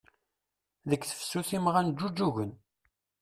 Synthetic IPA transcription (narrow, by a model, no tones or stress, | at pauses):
ðəkːθə̥fə̥sːuθimʁænd͡ʒːud͡ʒːuʝən